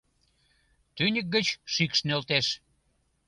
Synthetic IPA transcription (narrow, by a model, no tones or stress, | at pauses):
t̪ynʲək̚ɡət͡ɕʃikʃnølt̪eʃ